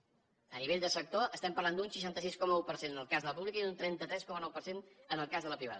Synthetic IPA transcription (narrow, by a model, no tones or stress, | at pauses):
əniβeʎʲd̪əsək̚t̪oʔəst̪ɛmpəɾrland̪unsəʃ̬ant̪əs̬iskɔməupəɾsenənəlˠkazðələpuβlikəiunt̪ɾɛnt̪ət̪ɾɛskɔmənɔwpərsenənəlˠkazðələpɾiβ̞a̰ð